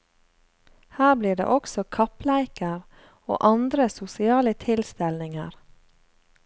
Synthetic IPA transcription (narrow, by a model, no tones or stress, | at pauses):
hæːbliːɖḛːʔɔksɔkʰɑplæɪkəɾ | o̰ːʔɑnd̪ɾəsʊsɪɑːlət̪ʰɪlst̪ɛlnɪŋə̰ɾ